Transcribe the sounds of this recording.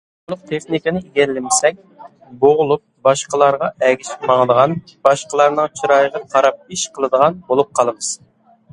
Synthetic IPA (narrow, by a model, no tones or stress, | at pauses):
ulˠʊq̚t̪ʰeχnikʲinɪiɡʲɛɾlɪmɪsɛŋ̚ʲ | boʁʊlˠup̚bɑʃqəlˠɑɾʁɑɛɡʲiʃɪ̥pmɑŋd̪əʁɑn | b̥ɑʃqəlˠɑɾnɨŋt͡ʃʰiɾɑjəʁənqʰɑɾɑp̚iʃqʰəlˠɨd̪əʁɑnbolˠup̚qʰɑlˠɨmɨz̥